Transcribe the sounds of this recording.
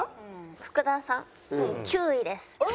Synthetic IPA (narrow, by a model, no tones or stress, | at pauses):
ɸɯ̟̥kɯ̟d̪ãsãŋ | kʲɨːid̪e̞sɨ̥